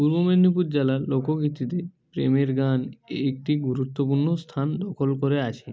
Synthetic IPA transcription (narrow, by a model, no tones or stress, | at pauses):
puɾbomenːipuɾd͡ʑelalokokit̪ːit̪epɾḛmeɾɡanek̚ʈiɡuɾut̪ːop̬uɾnost̪ʰand̪ɔkʰolkoɾeat͡ɕʰe